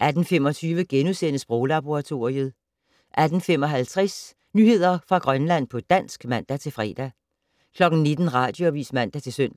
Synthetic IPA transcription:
ʔæd̥n̩fem̰ɒ̽t͡sʰyːʋəɡ̥enusenəsb̥ʁɔʊlɑb̥o̝ʁɑ̈t͡sʰo̝ɐiəð̞̩ˠ | ʔæd̥n̩fem̰ɒ̽ɦælt͡sʰʁɛs | nyːhe̝ð̞̰ˠɐfʁɑ̈ɡ̥ʁɶnlæn̰pʰɒ̽d̥æn̰sɡ̥mæn̰d̥æt͡sʰe̝lfʁɛ̰ːd̥æ | kʰlɒ̽ɡ̥n̩ne̝d̥n̩ʁɑ̰̈ːd̥joɒbʋḭːsmæn̰d̥æt͡sʰe̝lsøn̰d̥æ

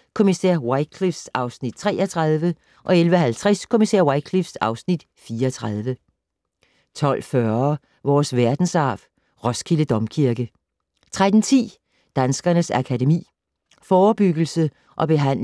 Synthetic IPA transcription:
kʰo̝misæɐ̰wɑɪkʰlifsɑ̈ʊsnid̥̚t͡sʰʁɛ̰ːɐt͡sʰʁɑð̞ˠʋə | ʔɒ̽elʋəɦælt͡sʰʁɛskʰo̝misɛ̰ɐ̰wɑ̈ɪkʰlifsɑ̈ʊsnid̥ | fiːɐɒt͡sʰʁɑð̞ˠʋə | t͡sʰɒ̽l̰fœɐ | ʋɒːsʋæɐd̥n̩sɑ̰̈ːf | ʁɒ̽skʰiləd̥ɒ̽mkʰiɐɡ̥ə | t͡sʰʁad̥n̩t͡sʰḭː | d̥ænsɡ̥ɐnəsækʰædemḭː | fɒːb̥yɡ̥l̩sə | ʔɒ̽b̥e̝ɦæn̰

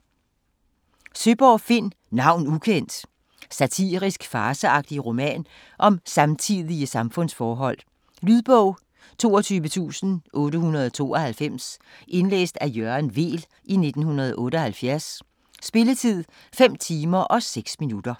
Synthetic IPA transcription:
søb̥ɒːfe̝n̰ | nɑ̈ʊ̰nukʰen̰d̥ | sæt͡sʰḭːʁisɡ̥fɑ̈ːsəɑ̈ɡ̥̚d̥iʁo̝mɛ̰ːn | ʔɒ̽msɑ̈mt͡sʰiðˠiəsɑ̈mfɔ̽n̰sfɒːɦɒ̽l̰ | lyðˠb̥ɔʊ̰ | t͡sʰo̝̰ːɒt͡sʰyːʋət͡sʰṵːsn̩ʔɔ̽ːɾəhunɐð̞ˠɒt͡sʰo̝̰ːɒhælfem̰sʔe̝nlḛːsd̥æjøɐnʋe̝̰ːl | ʔine̝d̥n̩hunɐð̞ˠɒʔɔ̽ːɾəɒ̽hælfjæɐsː | b̥e̝lət͡sʰið̞̰ˠ | fem̰t͡sʰiːmɐʔɒ̽seɡ̥sminud̥ɐ

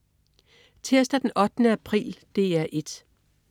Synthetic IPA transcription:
t͡sʰeɐsd̥æd̥enʔɒ̽d̥ənəæpʰʁḭːld̥e̝æɐʔe̝d̥

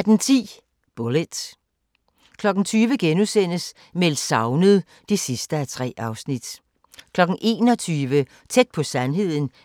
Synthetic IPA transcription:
æd̥ent͡sʰḭː | b̥oled̥ | kʰlɒ̽ɡ̥n̩t͡sʰyːʋəɡ̥enusen̰əs | melsɑ̈ʊnəðˠ | d̥isisd̥əæt͡sʰʁɛ̰ːɑ̈ʊsnid̥ | kʰlɒ̽ɡ̥n̩ʔe̝̰ːnɒ̽t͡sʰyːʋə | t͡sʰed̥̚pʰɒ̽sænɦe̝ð̞̰ˠn̩

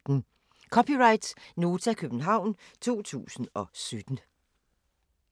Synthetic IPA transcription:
n̩ | kʰɒ̽pʰiʁɑ̈ɪd̥sno̝ːt͡sʰækʰøb̥n̩ɦɑ̈ʊ̰nt͡sʰo̝̰ːt͡sʰṵːsn̩ɒ̽sød̥n̩

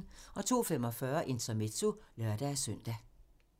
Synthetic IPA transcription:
ɒ̽t͡sʰo̝̰ːfem̰ɒ̽fɶɐʔe̝nt͡sʰɐme̝t͡sʰulɶɐd̥æsœn̰d̥æ

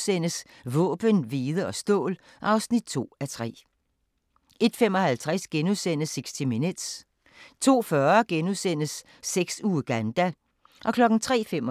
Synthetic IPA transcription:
sen̰əs | ʋɔ̰̽ːb̥ənʋiːð̞ˠəɒ̽sd̥ɔ̰̽ːl | ʔɑ̈ʊsnid̥̚t͡sʰo̝̰ːæt͡sʰʁɛ̰ː | e̝d̥fem̰ɒ̽hælt͡sʰʁasɡ̥enuðˠsen̰əseɡ̥sd̥iminud̥s | t͡sʰo̝̰ːfɶɐɡ̥enusen̰əsː | eɡ̥suːɡ̥ænd̥æ | ʔɒ̽kʰlɒ̽ɡ̥n̩t͡sʰʁɛ̰ːfem

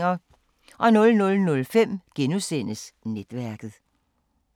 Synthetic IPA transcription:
ɐ | ʔɒ̽nɔ̽lnɔ̽lnɔ̽lfem̰ɡ̥enusen̰əsned̥ʋæɐɡ̥ð̩ˠ

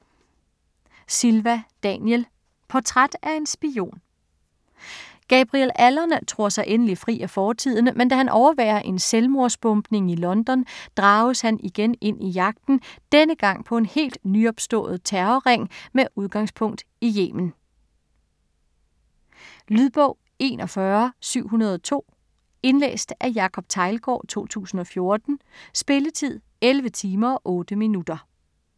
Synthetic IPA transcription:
silʋæd̥ɛnjel | pʰɒt͡sʰʁad̥æɐe̝nsb̥io̝̰ːn | ɡ̥ɛb̥ʁielælɐnt͡sʰʁo̝ɐ̰sɑ̈ɪʔenəlifʁḭːæfɒːt͡sʰið̞̰ˠnəmend̥æhænʔɒʊɐʋæ̰ːɐʔe̝nselmo̝ɐsb̥ɔ̽mb̥ne̝ŋilɒ̽nd̥ɒ̽nd̥ʁɑ̈ːʊshæniɡ̥ene̝n̰ijɑ̈ɡ̥̚d̥n̩d̥enəɡ̥ɑ̈ŋ̰pʰɒ̽e̝nhe̝̰ːld̥nyɒ̽b̥sd̥ɔ̰̽ːð̞̩ˠt͡sʰæɐɐʁeŋ̰meʔuð̞ˠɡ̥ɑ̈ŋspʰɔ̽ŋ̰d̥ | ijḛːmən̩ | lyðˠb̥ɔ̽ʊ̰ | e̝̰ːnʔɒ̽fɶɐsyʊ̰ɦunɐð̞ˠɒt͡sʰo̝̰ː | e̝nlḛːsd̥ʔæjɑ̈kʰɒ̽b̥̚t͡sʰɑ̈ɪlɡ̥ɒ̰ːt͡sʰo̝̰ːt͡sʰṵːsn̩ɒ̽fjo̝ɐd̥n̩sb̥e̝lət͡sʰið̰ˠ | elʋət͡sʰiːmɐɒ̽ʔɔ̽ːd̥əminud̥ɐ

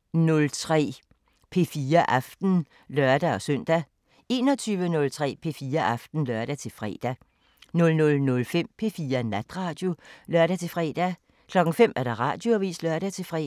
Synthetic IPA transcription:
nɔ̽lt͡sʰʁɛ̰ː | pʰe̝fiːɐʔɑfd̥n̩ | lɶɐd̥æɒ̽sœn̰d̥æ | e̝ːnɒ̽t͡sʰyːʋənɔ̽lt͡sʰʁɛ̰ːpʰe̝fiːɐʔɑfd̥n̩lœɐɾ̥æt͡sʰe̝lfʁɛ̰ːd̥æ | nɔ̽lnɔ̽lnɔ̽lfem̰pʰe̝fiːɐnæd̥ʁɑ̈ːd̥jo̝lɶɐ̰ɾ̥æt͡sʰe̝fʁɛ̰ːd̥æ | kʰlɒ̽ɡ̥ŋ̩fem̰æɐɾ̥ɑ̈ʁɑ̰̈ːd̥jo̝æʋḭːslɶɐɾ̥æt͡sʰe̝fʁɛ̰

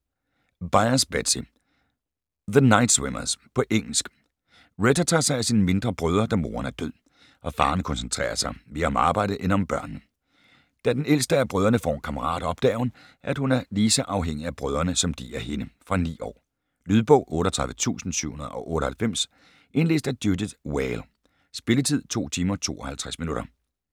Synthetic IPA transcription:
b̥ɑ̈ɪɐsb̥æ̥si | ðənɑ̈ɪ̰d̥swemɐspʰɒ̽ʔeŋ̰l̩sɡ̥ | ʁedɐt͡sʰɑ̈ːsɑ̈ɪæsinme̝nd̥ʁɐb̥ʁœð̞ˠɐd̥æmo̝̰ːɐnæɐd̥øð̰ˠ | ʔɒ̽fɑ̈ːn̩kʰɒ̽nsənt͡sʰʁɛ̰ːɐsɑ̈ɪme̝ːɐɒ̽mɑ̈ːbɑ̈ɪ̰d̥əʔenɒ̽mb̥ɶɐ̰nnə | d̥æd̥enel̰sd̥əæɐb̥ʁœðˠɐnəfɒ̰ːkʰɑ̈məʁɑ̰̈ːd̥ɒ̽b̥̚d̥ɛ̰ːʊn | ʔææd̥hunæɐliːsɒʔɑ̈ʊɦeŋ̰iæb̥ʁœð̞ˠɐnəsɒ̽md̥ḭæhe̝nəfʁɑ̈nḭːɒ̰ː | lyːð̞ˠb̥ɔʊ̰ʔɔ̽ːɾɐt͡sʰʁɑ̈ðˠʋət͡sʰṵːsn̩syʊ̰unɐð̞ˠʔɒ̽ʔɔ̽ːɾ̥əhælfem̰s | ʔe̝nle̝ːsd̥æd̥judid̥weɪl | sb̥e̝lət͡sʰið̞̰ˠt͡sʰo̝̰ːt͡sʰiːmɐt͡sʰo̝̰ːɒ̽hælt͡sʰʁasminuɾ̥ɐ

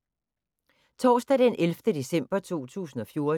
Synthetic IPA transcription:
t͡sʰɒ̰ːsd̥æd̥enʔelfd̥əd̥e̝sem̰b̥ɐt͡sʰo̝̰ːt͡sʰṵːsn̩ɒ̽fjo̝ːɐ

